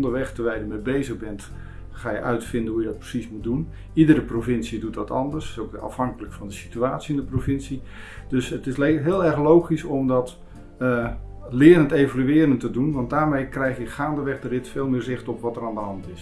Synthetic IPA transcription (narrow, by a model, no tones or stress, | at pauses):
ndəʋɛxtəʋɛjdəmɛbejzəɣbɛnt | χaːjəʔœɥtfɪndənɦujədɑt̚prə̥sismut̚dun | idərəprovɪnsidutɑtɑ̰ndərsokɑ̰fɦɑŋkələkfɑndəsi̥tyaːtsiɪndəprovɪnsi | d̥øsətɪsɦɪːlˠɛɹxlowχisɔmdɑt | lɪːɾəntejvalyɪːɾəntədunʋɑndaːɹmejkrɛjχjəχaːndəʋɛχdərɪtfeːlˠmɪːrzɪxtɔpʋɑtəraːndəɦɑntɪs